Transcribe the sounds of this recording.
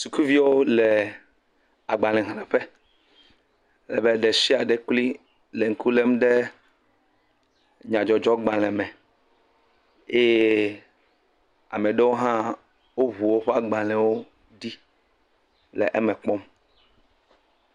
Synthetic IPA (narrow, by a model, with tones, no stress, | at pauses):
su˨ku˦vi˦wo˦lɛ˨ | a˨ɡ͡ba˨lɛ̃˨ɦlɛ̃˨ɸɛ˦ | lɛ̰˨bɛ˦ɖɛ˨si˦a˨ɖe˦kli˦ | le˨ŋ̩˦ku˦le˦m˦ɖɛ˦ | ɲã˨d͡ʒɔ˨d͡ʒɔ˦ɡ͡ba˨lɛ̃˨mɛ̃˨ | e˦je˦ | a̰˨mɛ˨ɖe˦wo˦ɦã˦ | wo˦ɦu˨wo˦ɸɛ˦a˨ɡ͡ba˨lɛ̃˨wo˦ | ɖi˦ | lɛ̰˨ʔɛ˦mɛ̃˨k͡pɔ˦m